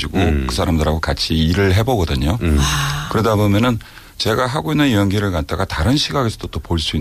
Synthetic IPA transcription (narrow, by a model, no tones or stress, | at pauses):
iɡokɯsʰaɾamdɯɾaɡokat͡ɕʰiːɾɯɭɦe̞bʌɡʌdɯɲo | kɯɾʌdabomjʌnɯn | t͡ɕe̞ɡaɦaɡoinːɯnijʌnɡiɾɯɭkat̚t͈aɡataɾɯnɕʰiɡaɡesʰʌd̥ot͈opoɭs͈ui